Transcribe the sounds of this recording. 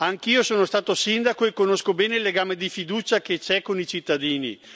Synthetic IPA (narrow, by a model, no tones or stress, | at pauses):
aŋkiːosoːnost̪aːt̪osind̪akoekːonoskobɛːneilːeɡaːmed̪ifid̪uːt͡ʃaket͡ʃɛkonit͡ʃit̪ːad̪iːnḭ